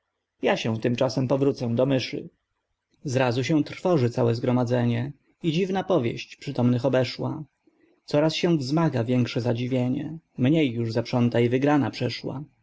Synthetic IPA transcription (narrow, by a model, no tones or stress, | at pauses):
jaɕɛ̃t̪ɘmt͡ʂasɛmpɔvɾut̪sɛ̃d̪ɔmɘʂɨ̰ | zɾazuɕɛ̃t̪ɾfɔʐɘt̪sawɛzɡɾɔmad̪zɛɲɛ | id͡ʑivnapɔvʲjḛɕt͡ɕpʂɘt̪ɔmnɘxɔbɛʂwa | t̪sɔɾasɕɛ̃vzmaɡavʲjɛŋkʂɛzad͡ʑivʲjeɲɛ̰mɲejːuʐzapʂɔnt̪aivɘɡɾanapʂɛʂwa̰